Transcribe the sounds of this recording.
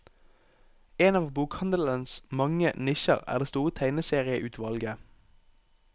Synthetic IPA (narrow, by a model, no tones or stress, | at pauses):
eːnɑːʋbuːkhɑnd̪l̩ənsmɑŋənɪʃə̰ʁæ̰ːʁd̪eːst̪uːʁət̪ʰæɪnəseːʁɪəʔʉːt̪ʰʋɑlɡə